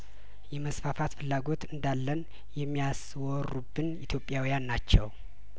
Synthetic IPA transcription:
jɛməsfafat̪fɨlːaɡo̞t̪ɨnd̪alːən | jɛmːijas | wɔrːubːɨnit̪ʰjo̞pʼːjawijanːat͡ʃːɛw

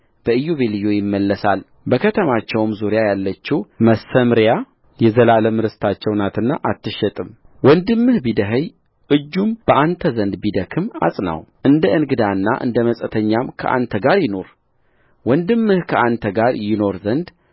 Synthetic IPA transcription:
b̥əɨjːuβelijojɪmːəlːəsal | bəkʰət̪ʰəmat͡ʃːɛwmzuɾjajalːət͡ʃːuwməsəmɾja | jɛzəlaləmɨɾɨst̪ʰat͡ʃːɛwnat̪ɨnːaʔat̪ːɨʃɛt̪ʼɨm | wɔnd̪ɨmːɨhbid̪əɦəj | ʔɨd͡ʒːumb̥əʔant̪ʰəzənd̪bid̪əkʰɨma̰sʼna̰wʔɨnd̪əʔɨnɡɨd̪anːa̰ʔɨ̰nd̪əməsʼət̪ʰəɲːamkʰə̰ʔa̰nt̪ʰəɡaɾjɪno̞ɾ | wɔnd̪ɨmːɨhkʰəʔant̪ʰəɡaɾjɪno̞ɾzənd̪

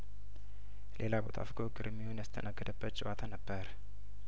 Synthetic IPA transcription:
lʔe̞labo̞t̪ʰa̰fɡoɡɨɾmːihonjast̪ʰənaɡːəd̪əbːət̪t͡ʃʼɪwat̪ʰanəbːəɾ

